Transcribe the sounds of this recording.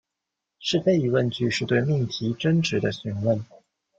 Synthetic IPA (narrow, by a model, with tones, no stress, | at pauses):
ʂɻ̩˥˧t͡se˥˩ɪi˧˥wə˥˧nt͡ɕy˥˧ʂɻ̩˥˧t̪we˥˧ɪmi˥˩nt̪ʰi˧˥ʈ͡ʂə˥nʈ͡ʂɻ̩˨˧˥d̪ə˧ɕy˧˥nwə˥˩n